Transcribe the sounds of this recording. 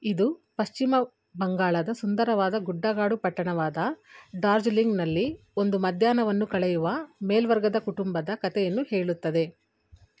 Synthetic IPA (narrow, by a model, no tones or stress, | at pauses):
id̪upɐʃt͡ʃimɐ | bɐŋɡaːɭɐd̪ɐsund̪ɐɾɐʋaːd̪ɐɡuɖːaːɡaːɽupɐʈːɐɳɐʋaːd̪ɐɖaːɾd͡ʒliŋɡnɐlːi | o̞nd̪umɐd̪ʱjaːnɐʋɐnːukɐɭɛjuʋɐmeːlʋɐɾɡɐd̪ɐkuʈumbɐd̪ɐkɐt̪ɛjɐnːuhe̞ːɭut̪ːɐd̪e̞